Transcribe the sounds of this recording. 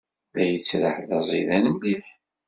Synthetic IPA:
ðæjət͡sːɾəħðɑzˤiðænəmliħ

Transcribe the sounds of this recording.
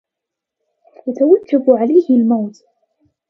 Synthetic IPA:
wat̪awakːabʊʕalajhɪlmawt̪

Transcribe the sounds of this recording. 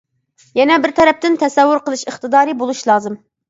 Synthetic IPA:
jɛnɛbɪɾt̪ʰɛɾɛp̚t̪ɪnt̪ʰɛsɛwːuɾqəlˠɨʃəχt̪ɨd̪ɑːɾibolˠuʃlˠɑːzɨm

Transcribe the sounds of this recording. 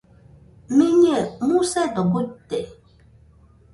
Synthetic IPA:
miɲɛmusɛdɔbotːɛ

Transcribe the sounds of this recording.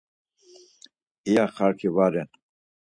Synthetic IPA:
ijaχaɾkʰivaɾɛn

